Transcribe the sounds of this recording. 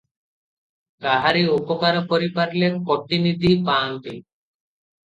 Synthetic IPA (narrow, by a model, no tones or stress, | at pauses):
kaɦaɾiopɔkaɾɔpɔɾipaɾlepɔʈinid̪ʱipant̪i